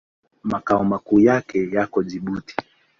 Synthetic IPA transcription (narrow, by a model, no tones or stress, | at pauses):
makaɔmakuːjakʰɛjakɔʄiɓuti̥